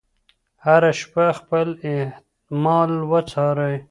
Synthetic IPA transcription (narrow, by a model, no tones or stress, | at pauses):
haɾaʃpaxpəlɪh | mɑlwət͡sʰɑɾaj